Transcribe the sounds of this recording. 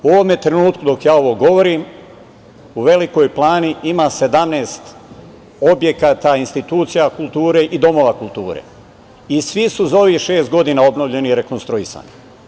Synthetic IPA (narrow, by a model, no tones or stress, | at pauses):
uoʋome̞t̪ɾe̞nuːt̪kud̪o̞kjaːo̞ʋo̞ɡo̞ʋo̞ɾim | uʋe̞liko̞jplˠaːniʔimase̞d̪amneːst̪ | o̞bje̞kaːt̪ainst̪it̪uːt̪sijakult̪uːɾe̞ʔid̪o̞mo̞ʋakulˠt̪ṵːɾḛ | isʋisuzaoʋihʃeːst̪̚ɡo̞d̪inao̞bnoʋʎe̞niiɾe̞ko̞nst̪ɾuisa̰ːni